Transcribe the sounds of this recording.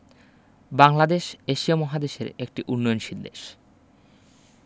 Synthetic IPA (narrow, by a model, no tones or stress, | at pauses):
baŋlad̪eʃeʃiamɔɦad̪eʃḛɾek̚ʈiʔunːojonʃid̪ːḛʃ